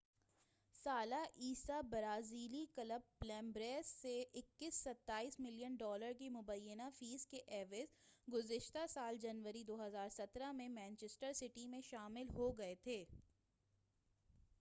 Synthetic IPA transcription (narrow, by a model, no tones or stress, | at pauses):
saːlaʔiːsabɐɾaːziːlikɐləbːlɛ̃ːmbɾeːsːeʔɪkːɪsːɐt̪ːaːiːsmɪlijənɖɔːləɾk̬imʊbəjːənafiːzkeʔɛːʋɪzɡʊzɪʃt̪asaːld͡ʒɐnʋəɾid̪oːɦɐzaːɾsɐt̪ɾamẽmɛ̃ːnt͡ʃesʈəɾsɪʈimẽʃaːmɪlɦoɡɐet̪ʰeː